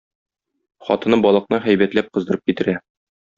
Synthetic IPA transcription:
χɒ̰t̪ɤ̆nɤbɒlˠɤ̆qnɤχæjbæt̪læp̚qɤ̆zd̪ɤ̆ɾɤp̚kit̪ɘ̆ɾæ

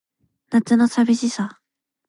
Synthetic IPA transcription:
nat͡sɨnosabʲiɕisa

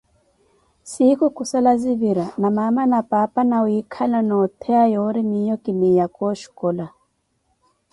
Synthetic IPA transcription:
sikukusalaziviɾanamamanapapanawikʰalanɔt̪ʰɛajɔɾimijɔkinijakɔʃu̥kɔla

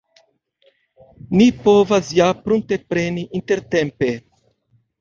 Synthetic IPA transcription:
nipo̞vasjapɾunt̪e̞pɾe̞niʔint̪e̞ɾt̪e̞mpe̞

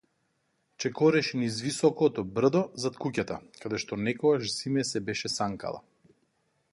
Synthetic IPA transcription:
t͡ʃɛkɔɾɛʃnizvisɔkɔt̪ɔbr̩d̪ɔzat̪kucʲat̪akad̪ɛʃt̪ɔnɛkɔɡaʃsimɛsɛbɛʃɛsaŋka̰lˠa̰

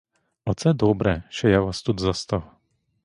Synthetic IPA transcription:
ʔɔt̪t͡sɛd̪ɔbɾɛʃɛjavast̪ut̪zast̪aw

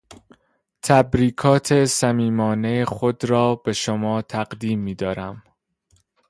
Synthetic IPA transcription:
t̪ʰæbɾiːkʰɒːt̪ʰe̞sæmiːmɒːne̞jexod̪ɾɒːb̥e̞ʃomɒːt̪ʰæɢd̪iːmːiːd̪ɒːɾæm

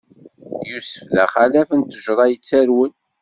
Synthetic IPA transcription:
jusə̥flæ̰χalæfənt̪əʒɾˤɑjət͡sːæɾwən

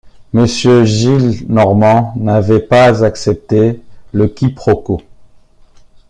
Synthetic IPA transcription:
məsjøʒilnɔʁmɑ̃navɛpazaksɛp̚t̪eləkʲipχɔko

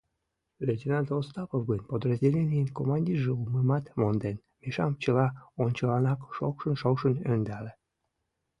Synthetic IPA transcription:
lʲed̪ʲinɑd̪ost̪ɑpovɡənʲpod̪rəzʲdʲelʲenʲijənkomɑnʲdʲirʒeuməmɑt̪mond̪en | meʃɑmt͡ɕəlɑonʲt͡ɕəlɑnɑkʃokʃənʃokʃənønd̪æle

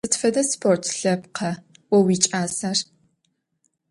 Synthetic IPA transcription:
ɨtfɐdɐspʰortʰɬɐp̚qʰɐ | wɔwiːt͡ʃʼaːsɐr

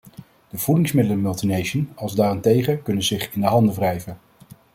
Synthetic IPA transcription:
d̥əv̥udɪŋsmɪdələmɵlˠtinejʃənɑlˠzdaːrɛntejχəkɵnənzɪχɪndəɦɑndəvrɛjvən

